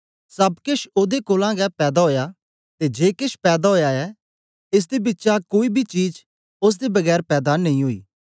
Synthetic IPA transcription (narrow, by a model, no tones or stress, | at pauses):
sɐbkɪʃoːd̪ekoːlãɡɛpɛːd̪aɦoːja | t̪ed͡ʒeːkɪʃpɛːd̪aɦoːjaɛ | ɪs̬d̪ebɪtːʃakoːibʱit͡ʃiːd͡ʒ | ʊs̬d̪ebɐɡɛːɾpɛːd̪anɐĩɦoːḭː